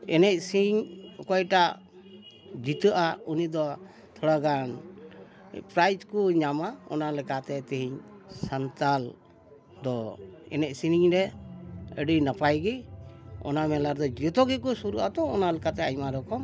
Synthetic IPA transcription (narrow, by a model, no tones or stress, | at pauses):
ɛnɛc̚siɲkɔjʈaʔ | d͡ʒit̪əʔaunid̪ɔ | t̪ʰɔɽaɡan | pɾajd͡ʒkuɲamaɔ̰nalɛkat̪ɛt̪iɦiɲsant̪al | d̪ɔɛ̰nɛc̚siniɲɾɛ | ə̰ɖijnapajɡi | ɔ̰namɛlaɾd̪ɔd͡ʒɛt̪ɔɡɛkusuɾuʔat̪ɔːnalɛkat̪ɛajmaɾɔkɔm